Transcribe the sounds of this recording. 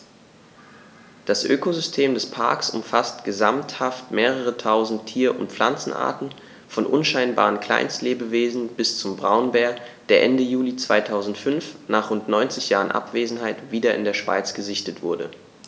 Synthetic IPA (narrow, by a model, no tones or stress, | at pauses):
d̥asʔøːkozʏstʰeːmdɛspʰa̰ɐksʔʊ̰mfastɡ̥əzamthaftmeːʁ̞əʁ̞ətʰaʊzn̩tʰːiːɐʔʊ̰ntp͡fla̰nt͡sn̩ʔa̰ːɐtn̩ | fɔnʔʊnʃaɪnba̰ːʁənkl̥a̰ɪnstleːbəveːzn̩b̥ɪst͡sʊmbʁaʊnbɛːɐd̥eːɐʔɛndəjuːlit͡sv̥aɪtʰaʊzn̩tfʏnfnaːχʁʊntnɔʏnt͡sɪçj̥aːʁənʔa̰pv̥eːzn̩ɦaɪtv̥iːdɐɪ̰ndeːɐʃv̥a̰ɪt͡sɡ̥əzɪçtətv̥ʊɐdə̰